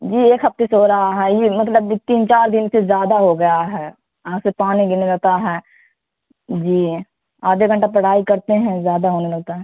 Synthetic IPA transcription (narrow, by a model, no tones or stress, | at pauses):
d͡ʒiːeːkɦɐft̪esɦoɾɐɦaɦɛːjemɐt̪ləbt̪iːnt͡ʃaːɾd̪ɪnsezjaːd̪aɦoɡɐjaɦɛː | jɐɦãsepaːniɡɪnelɐɡ̚t̪aɦɛː | d͡ʒiː | aːd̪ʱeɡɐ̃ɳʈap̬ɐɽ̤aːikɐɾt̪eɦɛ̃zjaːd̪aɦoːnelɐɡ̚t̪aɦɛ̃ː